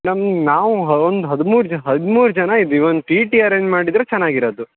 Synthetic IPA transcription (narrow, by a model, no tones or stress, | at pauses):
mɐɽɐmnaːʋuɦond̪uɦɐd̪umuːɾud͡ʒɦɐd̪muːɾud͡ʒɐnɐid̪iond̪uʈiːʈiɐɾeːɲd͡ʒmaːɽid̪ɾet͡ʃɛnːaːɡiɾoːd̪u